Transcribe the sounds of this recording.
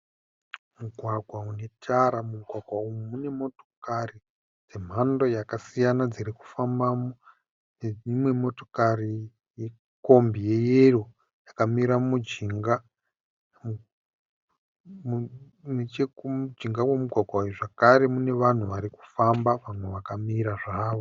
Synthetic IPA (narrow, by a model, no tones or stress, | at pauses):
muɡʱwaɡʱwaune̞tʰaɾamuɡʱwaɡʱwaumumune̞mo̞to̥kari | d͡ze̞m̤ando̞jakasijanad͡ziɾiku̥fambamo | neimwe̞mo̞tokari | je | ko̞mbije̞jero | jakamiɾamud͡ʒiŋɡa | mt͡ʃed͡ʒiŋɡawemuɡʱwaɡʱwaujuʐakaɾe̞mune̞ʋan̤uʋaɾiku̥fambaʋamweʋakamiɾaʐaːʋo